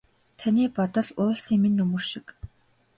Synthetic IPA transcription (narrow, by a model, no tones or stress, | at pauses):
t̪ʰaniːpɔt̪ɞ̆ɮʊːɮsiːŋmenːɵmɵ̆rʃĭ̥k